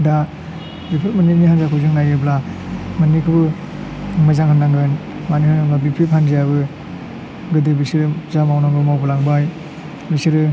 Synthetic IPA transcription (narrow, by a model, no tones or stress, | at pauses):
da | bipʰipmaniniɦanzakʰɯzɯŋnajɯblamɯnikʰɯbɯ | mɯzaŋhɯnːaŋdonmanihɯnaŋabipʰiphanzijaβɯ | ɡɯdɯbisiɾɯzamawnaŋbɯmawbɯlaŋbaj | bisiɾɯ